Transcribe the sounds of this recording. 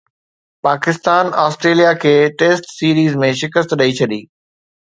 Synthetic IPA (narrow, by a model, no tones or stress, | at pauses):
paːkɪst̪aːnɔːsʈɾeːlijakʰeːʈeːsʈsiːɾiːzmẽʃɪkəst̪ɗɐit͡ɕʰɐɗiː